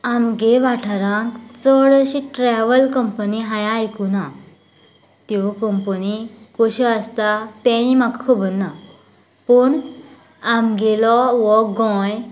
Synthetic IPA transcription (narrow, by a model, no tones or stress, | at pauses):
amɡeʋaʈʰaɾãŋt͡sɔɽəɕiʈɾɛʋəlkəmpəniɦajãːjkuna | t̪jɔkəmpənikoɕɔəst̪at̪ɛ̃nimakkʰəbənːa | pəɳ | amɡelɔʋɔɡɔ̃j